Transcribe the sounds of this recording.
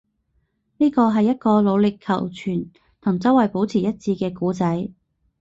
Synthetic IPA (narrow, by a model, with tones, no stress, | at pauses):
niː˥kɔː˧ɦɐ˨jːɐ˥t̚kɔː˧lo˨˧wlɪ˨kʰːɐ̰˨˩wt͡ʃʰyː˨˩n | t̪ʰʊ˨˩ŋt͡sɐ˨˥wɐ˨˩jpo˨˥wt͡sʰiː˨˩jɐ˥t̚t͡sʰiː˧kɛː˧kuː˨˥t͡sɐ˨˥j